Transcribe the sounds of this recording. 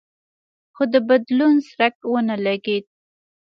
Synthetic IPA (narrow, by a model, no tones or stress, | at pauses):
xod̪əbad̪lunsɾak̚wənəlaɡed̪̚